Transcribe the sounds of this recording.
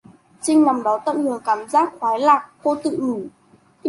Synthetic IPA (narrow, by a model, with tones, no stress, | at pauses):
t͡ɕï˧ŋ̟na˨˩mɗɔ˨˦t̪ə̰˧˨mlɨ˨˩əŋkaː˧˩mzaː˦˥t̚xwaː˨˦jlaː˨˩k̚ko˧t̪ɨ̰˧˨ʔɨ˧˩